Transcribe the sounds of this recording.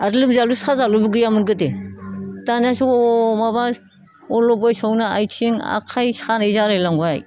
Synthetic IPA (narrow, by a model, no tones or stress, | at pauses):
aɾlɯmzaluskʰazalubuɡɯjamɯnɡɯde | tanasomaba | ɔlɔbojsownaa̰jt͡ʃʰiŋa̰kʰajsxʰanezaɾajlaŋɡuaj